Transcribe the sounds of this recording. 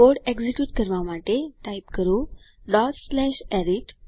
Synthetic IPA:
oɽekd͡ʑikjuːʈkəɾʋamaʈeʈaipkəɾuɖɔʈslɛɕɛɾiʈ

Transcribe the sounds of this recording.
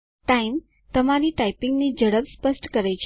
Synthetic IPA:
ʈaim | t̪əmaɾiʈaipɪŋɡnid͡ʒəɽəpspəsʈkəɾet͡ʃʰ

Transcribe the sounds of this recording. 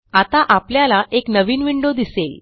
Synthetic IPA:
at̪aʔapljalaʔeknəʋiːnʋiɳɖod̪isel

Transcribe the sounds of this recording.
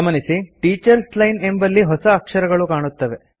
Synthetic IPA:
ɐmɐnisiʈiːt͡ʃɐɾslɐjne̞mbɐlːiɦɔsɐːkʂɐɾɐɡɐɭukaːɳut̪ːɐʋe

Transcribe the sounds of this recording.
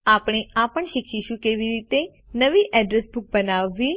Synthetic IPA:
apɽ̃eapəɳʃikʃiʃũkeʋiɾit̪e | nəʋiʔɛɖɾɛsbuk̚bənaʋːi

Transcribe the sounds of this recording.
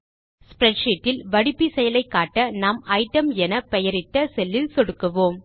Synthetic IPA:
spɪɾɛʈʂiːʈːɪlʋɐɽɪpːisɛjɐlɐɪkːaːʈːɐnaːmɐɪʈːɐmɛnɐpɛjɐɾɪʈ̪ːɐsɛlːɪlsɔɽɯkːɐʋoːm

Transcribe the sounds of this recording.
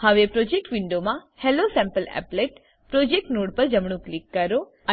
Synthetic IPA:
həʋepɾod͡ʒek̚ʈʋiɳɖomã | helosɛ̃mpəlɛ̰pleʈ | pɾod͡ʒek̚ʈnoɽpəɾd͡ʒəmɳ̃ũklikːəɾo | ə

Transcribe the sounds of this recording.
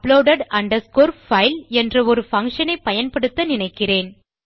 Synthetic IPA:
ploːɽɐɽɐɳɖɐɾskoːɾfɐɪlɛndrɐɔɾɯfɐŋkʂɐnɐɪpːɐjɐnpɐɽɯt̪ːɐnɪnɐɪkːɪreːn

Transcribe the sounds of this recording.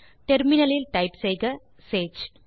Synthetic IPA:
ʈɛɾmɪnɐlɪlʈɐɪpsɛjɣɐ | seːd͡ʒ

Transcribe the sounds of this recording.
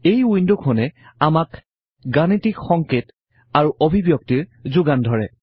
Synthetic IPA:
ejujndukʰonɛ | amak | ɡanitikxɔŋket | aɹuʔobʱibjɔk̚tiɹzuɡandʱɔɹɛ̰

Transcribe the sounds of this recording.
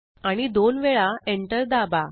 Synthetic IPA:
aɽ̃id̪onʋɛɭaeɳʈəɾd̪aba

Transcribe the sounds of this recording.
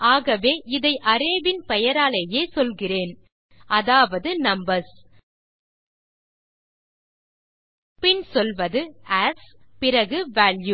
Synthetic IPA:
ʔaːɣɐʋeːʔɪðɐɪʔɐɾeːʋɪnpɛjɐɾaːlɐjeːsɔlɣɪreːn | ʔɐðaːʋɐðɯnɐmbɐɾs | pɪnsɔlʋɐðɯɛɾspɪrɐɣɯʋaːlju

